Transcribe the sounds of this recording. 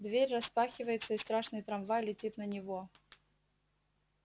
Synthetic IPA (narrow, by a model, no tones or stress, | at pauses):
d̪vʲeɾʲrɐspaxʲɪvəjɪt̪səist̪ɾaʂnɨjt̪ɾɐmvajlʲɪtʲit̪nɐnʲɪvɔ